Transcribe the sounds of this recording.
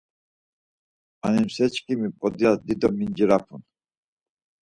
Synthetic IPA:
a̰nimsɛt͡ʃkʼimipʼɔd̪iasd̪id̪ɔmind͡ʒɾapʰun

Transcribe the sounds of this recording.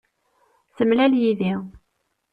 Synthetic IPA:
səmːlæljiði

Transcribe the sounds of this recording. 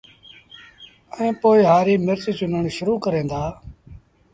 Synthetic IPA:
əẽːpoːiːɦaːɾiːmɪɾt͡ʃit͡ʃʊnəɳʃʊɾuːkəɾẽːnd̪aː

